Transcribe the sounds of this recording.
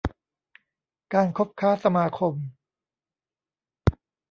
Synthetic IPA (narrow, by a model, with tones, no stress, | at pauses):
kaː˧nkʰo˦˥p̚kʰaː˦˥˩sa˧maː˧kʰo˧m